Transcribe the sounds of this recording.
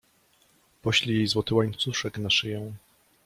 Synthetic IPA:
pɔɕlʲijejzwɔt̪ɘwaɲt̪suʂɛknaʂɘjɛ̃w̃

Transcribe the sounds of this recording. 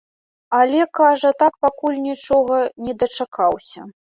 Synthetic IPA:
alʲɛkaʐɐt̪akpakulʲnʲit͡ʂɔɣɐnʲɛd̪ɐt͡ʂakʰawsʲɐ

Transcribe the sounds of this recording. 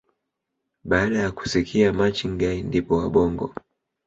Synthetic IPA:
ɓaːɗajaku̥sikʰiamat͡ʃiŋɡaindipɔwaɓɔŋɡɔ̰

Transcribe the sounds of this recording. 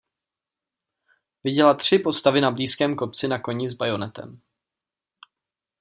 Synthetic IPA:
vɪɟɛlat̪r̝̥ɪpo̞st̪avɪnabliːskɛːmko̞p̚t͡sɪnako̞ɲɪzbajo̞nɛt̪ɛ̰m

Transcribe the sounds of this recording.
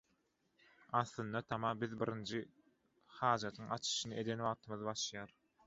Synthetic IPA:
ɑθlˠɯnd̪ɑt̪ʰɑmɑbiðbiɾʔind͡ʒʰi | hɑːd͡ʒɑt̪ʰɯŋɑt͡ʃʰɯ̥ʃɯnɯe̞d̪enwɑːʁt̪ʰɯmɯðɯbɑʃljɑːɾ

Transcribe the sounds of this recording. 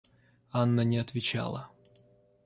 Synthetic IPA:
anːənʲɪɐt̪vʲɪt͡ɕa̰lˠə̰

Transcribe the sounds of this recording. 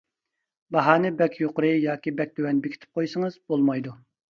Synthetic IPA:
bɑɦɑːnɨbɛkʲʰjoqɾɨjɑːkʲibɛk̚ʲd̪øwɛnbɪkʰʲi̥t̪ʰɪ̥p̚qʰojsɨŋəzbolˠmɑjd̪u

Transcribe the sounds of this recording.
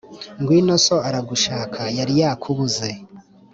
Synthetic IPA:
ŋɡwiːnoso̞aɾaɡuʃaːkʰajaɾijaːkʰuβuze̞

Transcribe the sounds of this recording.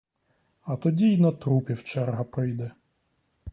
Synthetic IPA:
ɐt̪ɔdʲiinɐt̪ɾupʲiwt͡ʃɛrɦɐpɾɪjd̪ɛ

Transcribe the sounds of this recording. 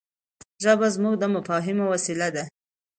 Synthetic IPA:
ʒəbazmuɡ̚d̪əmafɑɦɪmowasilad̪a

